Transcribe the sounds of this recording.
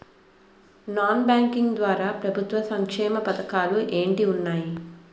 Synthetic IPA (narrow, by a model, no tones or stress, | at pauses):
naːnbaːŋkiŋɡd̪ʋaːɾaːpɾɐbʱut̪ʋɐsɐŋkʂɛːmɐpɐt̪ɐkaːluʔe̞ːɳʈiunːaːji